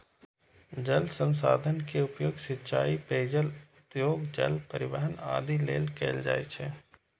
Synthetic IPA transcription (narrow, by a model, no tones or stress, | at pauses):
d͡ʒɐlsə̃nsa̰ːd̪ʱənkeʊpjoːɡsɪtːʃaːipeːd͡ʒəlʊt̪joːɡd͡ʒɐ̰lpəɾɪʋəɦəna̰ːd̪ʱilḛːlkeːld͡ʒa̰ːit͡ʃʰɛː